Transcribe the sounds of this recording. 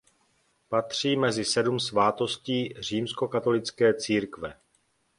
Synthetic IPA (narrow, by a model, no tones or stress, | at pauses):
pat̪r̝̥iːmɛzɪsɛdumsvaːt̪o̞sciːr̝iːmsko̞kat̪o̞lɪt͡skɛːt͡siːɾkvɛ